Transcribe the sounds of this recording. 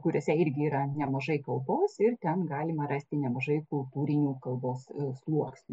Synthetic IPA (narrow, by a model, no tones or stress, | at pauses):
kʊɾʲoːsʲɛɪrʲɡʲɪiːɾɐnʲɛmɐʒɐɪkɐlˠboːsɪrt̪ʲɛnɡɑːlʲɪmɐɾɐsʲt̪ʲɪnʲɛmɐʒɐɪkʊlˠt̪uːɾʲɪnʲuːkɐlˠboːsslˠuɔksʲnʲu